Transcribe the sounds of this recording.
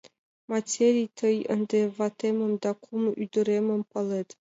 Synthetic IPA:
matʲeɾʲijt̪ʰəjə̰nd̪evat̪emə̆md̪ɑkʰumyd̪ə̆ɾemə̆mpɑlet̪

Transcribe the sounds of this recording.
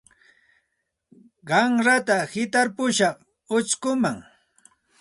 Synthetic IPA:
ɢɑŋɾat̪ahɪt̪aɾpʊʃɑχ | ʊt͡ʃkʊmaŋ

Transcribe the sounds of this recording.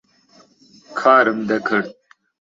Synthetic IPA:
kʰaːɾɐmd̪ɐkʰɐɾt̪̚

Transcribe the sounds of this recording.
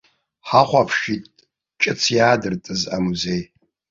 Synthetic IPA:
ħaχʷapʰʃitʼ | t͡ʃʼɨt͡sʰjaːdɨrtʼɨzamuzej

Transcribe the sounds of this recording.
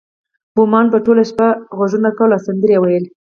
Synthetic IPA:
bʊmɑnpəʈolaʃpaɣozunakawlasand̪əɾjewajəl

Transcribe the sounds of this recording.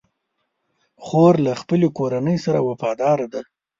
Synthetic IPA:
xoɾlaxpəlekoɾanəjsaɾawafɑd̪ɑɾad̪a

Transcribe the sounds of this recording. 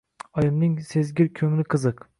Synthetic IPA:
ɒjɪmnɪŋsezɡʲɪɾkʲʰɵŋlɪqʰɨzɨq

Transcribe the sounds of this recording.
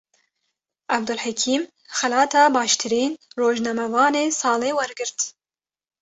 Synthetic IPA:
ʔab̚d̪ɨlħakʰiːm | xɛlɑːt̪ʰɑːbɑːʃt̪ʰɨɾiːnroːʒnɑmɛvɑːneːsɑːleːwɛɾɡɨɾt̪

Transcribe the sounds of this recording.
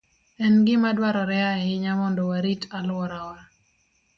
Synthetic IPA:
ɛnɡɪmadwaɾɔɾɛaɛɪɲamɔndɔwaɾitalɔɾawa

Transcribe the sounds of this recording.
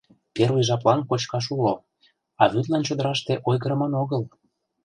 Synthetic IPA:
peɾujʒɑplɑnkot͡ɕkɑʃ̬ulo | ɑβyt̪lɑnt͡ɕod̪əɾɑʃt̪eʔojɣəɾəmənoɣəl

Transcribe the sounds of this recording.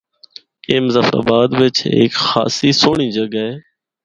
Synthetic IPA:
keːmzafa̰ːbaːd̪ʋɪt͡ʃḛːkxa̰ːsiːsoːɳ̃ĩːd͡ʒəɠaɦeː

